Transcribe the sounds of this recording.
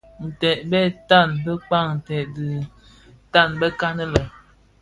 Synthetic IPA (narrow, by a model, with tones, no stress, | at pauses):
n̩˨tɛ˨ʔ̚bɛ˦˨ta˦˨nbə˦k͡pa˦˨ŋn̩˨tɛ˨ʔdɨ˨ | ta˦˨nbə˦ka˦nə˦lə˨